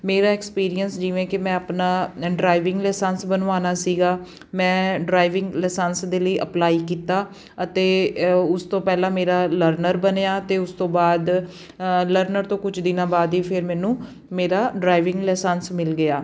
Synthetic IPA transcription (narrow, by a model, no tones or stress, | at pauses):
meːɾaːɛkspiːɾijənsd͡ʒiːʋẽːkɪmɛ̃ːəpnaːɖɾaːɪʋɪŋɡlɛːsənsbənʋaːnaːsiːɡaː | mɛ̃ːɖɾaːɪʋɪ̃ŋɡlɛːsənsd̪eːləiːʔəplaːiːkiːt̪aː | ət̪eːʊst̪õːpɛːlãːmeːɾaːləɾnəɾbəneːaːt̪eːʊst̪õːbaːd̪ | ləɾnəɾt̪õːkʊt͡ʃʰd̪ɪnãːbaːd̪iːpʰɪɾmɛːnũː | meːɾaːɖɾaːɪʋɪ̃ŋɡlɛːsənsmɪlɡɪjaː